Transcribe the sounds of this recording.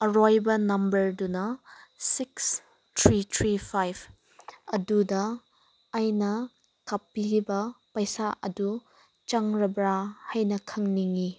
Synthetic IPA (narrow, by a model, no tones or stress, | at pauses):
ɐɾojbɐnɐmbɐɾdunɐsiks | tʰɾitʰɾipʰajbʰ | ɐdudɐː | jnɐ | kɐpːiɾibɐpɐjsaʔɐdu | t͡ʃɐŋɾɐbɾahajnɐkʰɐŋniŋi